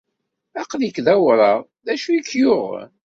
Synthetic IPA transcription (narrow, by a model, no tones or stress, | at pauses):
æqlikːðæwɾˤɑʁ | ðæʃukːjʊʁ̰